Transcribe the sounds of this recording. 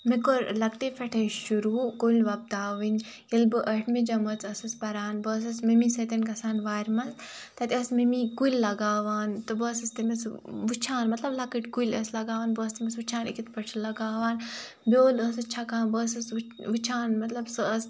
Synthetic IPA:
mikoɾlɐkt̪efɐʈʰɐʃuɾuːkoːlʲʋɐp̚t̪aːʋɨnʲ | jilbɨʔɐʈʰmid͡ʒɐmɐt͡sʰɐsɨspɐɾaːnbəːs̬ɐsmemisɐt̪ʲɐnkɐsaːnʋaːɾʲmɐs | t̪ɐt̪ʲɐsmimikuilʲːɐɡaːʋaːnt̪ɨbəːsɐst̪imɐsʋut͡ʃʰaːnmɐt̪lɐblɐkəʈkuilʲɐslɐɡaːʋaːnbəːst̪imɐsʋut͡ʃʰaːnḭkit̪pɐt͡ʃʰilɐɡaːʋaːn | bʲoːləsɨt͡ʃʰɐkaːnbəːsɐsʋut͡ʃʰaːnmɐt̪lɐbsɨəs

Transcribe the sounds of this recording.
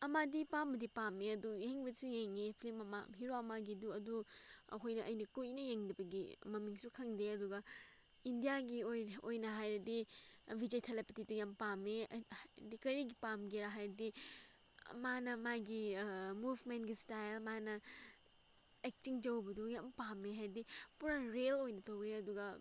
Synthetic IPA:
ɐmadipambɐdipameɐdujeŋbɐdisujeŋepʰlimɐma̰ɦiɾoɐmaɡiduɐduɐ̰kʰojnɐʔɐjnɐkunɐjeŋdɐbɐɡḭmɐmiŋsukʰɐŋdeɐduɡɐ | indijaɡiojojnɐɦajɾɐdibʱid͡ʒejtʰelepititujampamedikɐɾiɡipamɡeɾaɦajɾɐdi | manɐmajɡimubʱmentɡistajlmanɐ | ek̚tiŋd͡ʒɐwbɐdujampameɦajɾɐdipuɾaɾelojnɐtɐweɐduɡɐ

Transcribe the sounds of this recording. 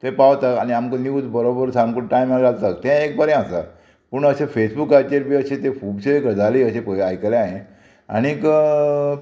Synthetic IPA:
t̪ẽpawt̪akañiamkəniud͡z̪bəɾobəɾsamkuʈʈaimaalt̪ak̚t̪ɛ̃ek̚bəɾẽasa̰ | puɳəɕẽfesbukːaɾt͡ɕeɾpiəɕẽt̪efubɕeekəd͡zʱaliəɕẽpəajkəleaɦẽ | a̰ñik

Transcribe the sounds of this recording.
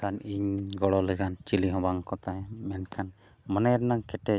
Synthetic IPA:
kʰaniɲɡɔɽɔlɛɡant͡ʃiliɦɔ̃baŋkɔt̪aɦɛ̃mɛnkʰan | mənɛɾnaŋkɛʈɛ

